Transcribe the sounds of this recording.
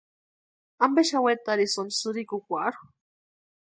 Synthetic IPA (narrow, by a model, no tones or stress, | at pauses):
ambeʃawet̪aɾisonsuɾikukʷaɾu̥